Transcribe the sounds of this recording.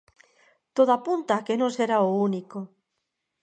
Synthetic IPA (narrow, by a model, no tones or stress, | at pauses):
t̪oðapunt̪akenõseɾaouniko